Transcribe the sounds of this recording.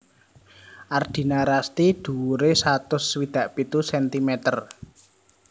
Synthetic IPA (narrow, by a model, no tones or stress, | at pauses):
ʔard̪̥i̤naɾast̪id̪̥ṳɾesat̪ʊswid̪̥ä̤ʔpit̪usɛnt̪imɛt̪ər